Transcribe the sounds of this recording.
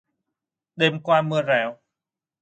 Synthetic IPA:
ɗe˧mkwaː˧mɨ˧əzɛ˧˩˦w

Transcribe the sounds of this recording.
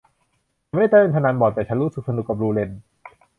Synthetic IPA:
m˥˩a˥˩t̪ːpe˧nt̪ʰa˧naː˧˥nbɔː˨˩t̪ːɛː˨˩t͡ɕʰa˦˥nɾuː˦˥sɯ˨˩k̚sa˧nu˨˩kːa˨˩ɾuː˧le˧n

